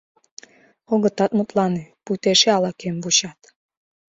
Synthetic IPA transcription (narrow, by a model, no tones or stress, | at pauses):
oɣə̆t̪ɑt̪mut̪lɑneput̪eʃeɑlɑkembuɕɑt̪